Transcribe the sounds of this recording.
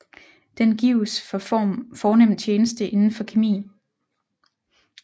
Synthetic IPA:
d̥enɡ̥iʊsɒ̽fɒːnem̰nt͡ɕʰeːnəsd̥əʔe̝nn̩fɒ̽kʰemḭːn

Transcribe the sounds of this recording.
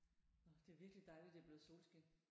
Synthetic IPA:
nɒd̥e̝æɐʋiɐɡ̥əlid̥ɑ̈ɪlid̥e̝æb̥le̝ːð̩ˠso̝̰ːlsɡ̥e

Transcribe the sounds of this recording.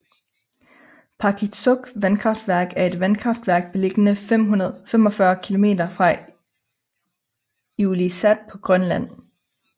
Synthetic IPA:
pʰɑ̈kʰisɔɡ̥ʋænkʰʁɑ̈fd̥ʋæɐ̰ɡ̥æɐe̝d̥ʋænkʰʁɑ̈fd̥ʋæɐ̰ɡ̥̚b̥e̝le̝ɡ̥ənəm̰ɦfem̰ɒ̽fɶɐkʰilo̝me̝̰ːd̥ɐfʁɑ̈ | ulisæd̥̚pʰɒ̽ɡ̥ʁɶnlæn̰

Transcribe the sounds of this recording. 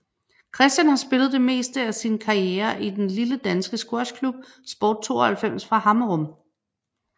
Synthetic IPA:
kʰʁɛsd̥jænhɑ̈sb̥e̝lð̩ˠd̥e̝me̝̰ːsd̥əæsinkʰɑ̈ieːɐʔid̥enliləd̥ænsɡ̥əsɡ̥o̝ɐskʰlub̥̚ | sb̥ɒ̰ːd̥̚t͡sʰo̝ːɐhælfem̰sfʁɑ̈hɑ̈məʁɔm

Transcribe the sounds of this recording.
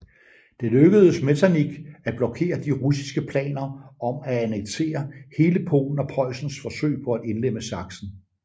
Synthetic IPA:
d̥eløɡ̥əð̞ˠəsme̝t͡sʰæniɡ̥æb̥lɒ̽kʰe̝̰ːɐd̥iʁusi̥sɡ̥əpʰlɛ̰ːnɐɒ̽mææneɡ̥̚t͡sʰe̝̰ːɐhe̝ːləpʰo̰ːln̩ɒ̽pʰɒ̽ɪ̰sn̩sfɒ̽sø̰ːɪ̰pʰɒ̽æd̥e̝nlem̰əsɑ̈ɡ̥sn̩

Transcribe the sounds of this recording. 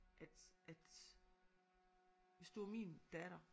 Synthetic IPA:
ʔæd̥ʔæd̥ | ʋe̝sd̥uæmiːnd̥æɾ̥ɐ

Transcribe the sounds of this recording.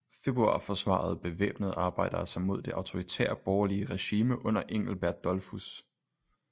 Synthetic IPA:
fe̝b̥ʁuɑ̰̈ːfɒ̽sʋɑ̰̈ð̞̩ˠb̥e̝ʋḛːb̥nəð̞̩ˠɑ̈ːb̥ɑ̈ɪ̰d̥ɐsɑɪmo̝ð̞̰ˠd̥e̝ʔɑ̈ʊt͡sʰo̝ʁit͡sʰɛ̰ːɐ̰b̥ɒʊɐliəʁɛɕiːməʔɔ̽n̰ɐʔe̝ŋ̰l̩b̥æɐd̥ːɒlfus

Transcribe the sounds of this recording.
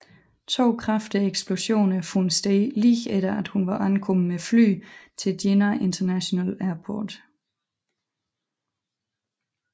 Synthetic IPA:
t͡sʰo̝̰ːkʰʁafd̥əeɡ̥sb̥lo̝ɕo̝̰ːnɐfunsd̥eliːɡeɾ̥ɐæd̥hunʋɑ̈ʔænkʰɔ̽m̩mefly̰ːt͡sʰe̝d̥jenɐʔent͡sʰɐnæɕonælæɐpʰɔ̰ːd̥

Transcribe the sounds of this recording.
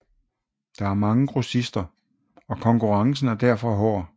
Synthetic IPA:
d̥ɑ̈æɐmɑ̈ŋə̥ʁosisd̥ɐ | ɒ̽kʰɒ̽ŋkuʁɑ̈ŋsn̩æɐd̥æɐ̰fɒ̽ɦɒ̰ː

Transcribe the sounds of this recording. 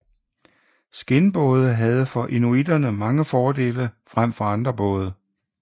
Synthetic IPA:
sɡ̥e̝nb̥ɔ̽ːð̞ˠəɦæð̞ˠəfɒ̽ʔenuid̥ɐnəmɑ̈ŋəfɒːd̥e̝̰ːləfʁam̰fɒɑ̈nd̥ʁɐb̥ɔ̽ːð̞ˠə

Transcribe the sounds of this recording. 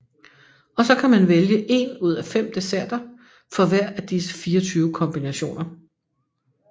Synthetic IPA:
ɒ̽sɒ̽kʰæmænʋeljəʔe̝nuð̞̰ˠæfem̰d̥esæɐ̰d̥ɐ | fɒ̽ʋæɐ̰æd̥isə̥fiːɒt͡sʰyːʊəkʰɒ̽mb̥inæɕo̝̰ːnɐ

